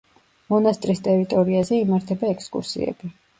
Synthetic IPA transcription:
mɔnast̪ʼɾist̪ʼɛɾit̪ʼɔɾiazɛimaɾt̪ʰɛbaɛkʰskʼṵɾsḭɛ̰b̥i

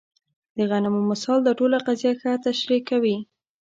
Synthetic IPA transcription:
d̪əɣanamomɪsɑld̪əʈolaqazijaxat̪aʃɾikawi

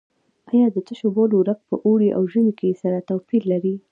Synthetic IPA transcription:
ajɑd̪ət̪əʃoboloɾak̚pəʔoɽiʔa̰wʒənikesaɾat̪afillːaɾi

